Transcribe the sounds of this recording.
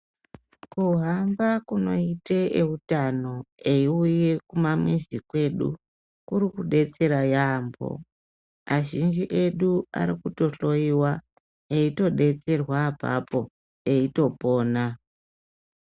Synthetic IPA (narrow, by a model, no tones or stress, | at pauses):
kuɦambakuno̞iteʔeutano̞e̞iuje̞kumamwizikwe̞ɗṵ | kuɾikuɗe̞t͡se̞ɾajaːmbo̞̰ | aʒind͡ʒiʔe̞ɗua̰ɾikuto̞ɬo̞iwa | eito̞ɗe̞t͡se̞rwapa̰po̞ | e̞ito̞po̞ːna